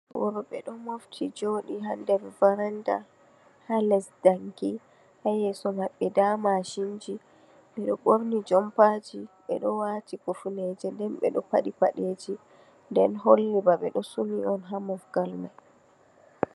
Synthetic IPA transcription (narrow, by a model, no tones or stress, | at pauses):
wɔɾɔɓɛɗɔmoftʰid͡ʒoːɗiɦandɛɾvaɾanda | halɛsdaŋki | hajɛsɔmaɓːɛdaːmaʃind͡ʒi | ɓɛɗɔɓoɾnid͡ʒɔmpad͡ʒiɓɛ̰ɗɔwaːtikufuned͡ʒɛndɛnɓɛ̰ɗɔpaɗipaɗeːd͡ʒi | ndɛnɦolːibaɓɛɗɔsuniɔnɦamɔfɡalmaj